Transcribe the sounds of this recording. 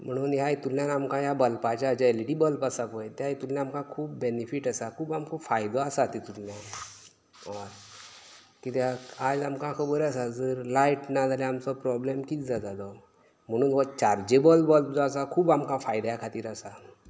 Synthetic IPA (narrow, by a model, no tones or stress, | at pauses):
m̤əɽ̃uːnjajt̪ulːjanamkãjabəlpat͡ɕaːd͡ʑaeliʈiːbəlpasapəjt̪ajt̪uljaamkãkʰuːbːenifiʈasakʰuːbamkɔ̃fajd̪ɔasat̪it̪ulːjã | ɔɾ | kit̪jaad͡zamkãkʰəbəɾasad͡zəɾlajʈnad͡z̪ʱalaamt͡sɔpɾɔblemkiːt͡sd͡zad͡zalɔ | m̤əɽ̃uːnʋɔt͡ɕaɾd͡ʑebəlbɔlpd͡zɔasakʰuːbamkãfajd̪ajakʰat̪iːɾasa